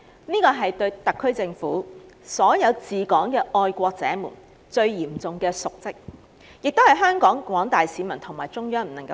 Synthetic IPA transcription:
niː˥kɔː˧ɦɐ˨jt̪ɵ˧ɥt̪ɐ˨kʰːɵ˥ɥt͡sɪ˧ŋfṵː˨˥sɔː˨˥jɐ˨˧wt͡siː˨kɔː˨˥ŋkɛː˧ʔɔː˧jkʷɔː˧k̚t͡sɛ̰ː˨˥mṵː˨˩n | t͡sɵ˧ɥjiː˨˩mt͡sʊ˨ŋkɛː˧sʊ˨k̚t͡sɪ˥k̚ | jɪ˨k̚t̪o˥whɐ˨jɦœː˥ŋkɔː˨˥ŋkʷɔː˨˥ŋt̪aː˨jsiː˨˥mɐ˨˩nt̪ʰʊ˨˩ŋmaː˨˩jt͡sʊ˥ŋjœː˥ŋm̩˨˩nɐ˨˩ŋkɐ˧

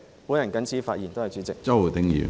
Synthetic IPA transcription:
puː˨˥njɐ˨˩nkɐ˨˥nt͡sʰiː˨˥faː˧t̚ji˨˩nt̪o˥hɐ˨jt͡ʃyː˨˥t͡sɪ˨k̚t͡sɐ˥˩wt̪ɪ˨˥ŋjḭː˨˩

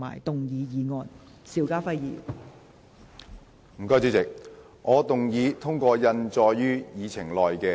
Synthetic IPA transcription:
ma̰ː˨˩jt̪ʊ˨ŋjiː˨˧jiː˨˧ŋɔː˨˧n | siː˨˧˩wkaː˥fɐ˥jjḭː˨˩ | m̩˨˩kɔː˧jt͡syː˨˧˥t͡sɪ˨k̚ | ŋɔː˨˧t̪ʊ˨ŋjiː˨˧t̪ʰʊ˥ŋkɔː˧jɐ˧nt͡ʃɔː˧jjyː˥jiː˨˧t͡sʰɪ˨˩ŋlɔː˨jkɛː˧

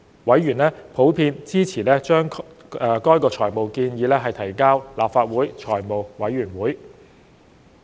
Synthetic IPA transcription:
wɐ˨˥jɥyː˨˩nlɛː˥pʰo˨˥wpʰiː˧nt͡siː˥t͡sʰiː˨˩lɛː˥t͡ʃœː˥ŋ˧ | kɔː˥jkɔː˧t͡ʃʰɔː˨˩jmo˨˩wkiː˧njiː˨˧lɛː˥ɦɐ˨jt̪ʰɐ˨˩jkaː˥wlaː˨p̚faː˧t̚wuː˨˥jt͡ʃʰɔː˨˩jmo˨wwɐ˨˥jɥyː˨˩nwuː˨˥j

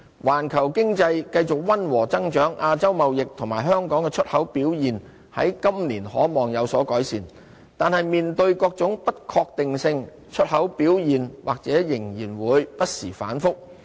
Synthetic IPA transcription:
waː˨˩nkʰɐ˨˩wkɪ˥ŋt͡sɐ˧jkɐ˧jt͡sʊ˨k̚wɐ˥nwɔː˨˩t͡sɐ˥ŋt͡ʃœː˨˥ŋʔaː˧t͡sɐ˥wmɐ˨wjɪ˨k̚t̪ʰʊ˨˩ŋmaː˨˩jɦœː˥ŋkɔː˨˥ŋkɛː˧t͡ʃʰɵ˥t̚hɐ˨˥wpiː˨˥wjiː˨n | hɐ̰˨˥jkɐ˥mliː˨˩nhɔː˨˥mɔː˨˩ŋjɐ˨˧wsɔː˨˥kɔː˨˥jsiː˨˩n | t̪aː˨nhɐ˨jmiː˨nt̪ɵ˧ɥkɔː˧k̚t͡sʊ˨˥ŋpɐ˥t̚kʰɔː˧k̚t̪ɪ˨ŋsɪ˧ŋ | t͡ʃʰɵ˥t̚hɐ˨˥wpiː˨˥wjiː˨˩nwaː˨k̚t͡sɛː˨˥jɪ˨˩ŋjiː˨˩nwuː˨˧jpɐ˥t̚siː˨˩fa̰ː˨˥nfʊ˥k̚

